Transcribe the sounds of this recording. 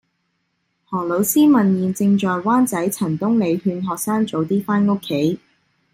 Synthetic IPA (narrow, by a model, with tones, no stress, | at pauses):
hɔː˨˩lo˨˧wsiː˥mɐ˨njiː˨nt͡sɪ˧ŋt͡ʃɔː˨jwaː˥nt͡sɐ˨˥jt͡sʰɐ˨˩nt̪ʊ˥ŋle˨˧jɦyː˧nɦɔː˨k̚saː˥ŋt͡so˨˧wt̪iː˥faː˥nʊ˥kʰːe˨˥j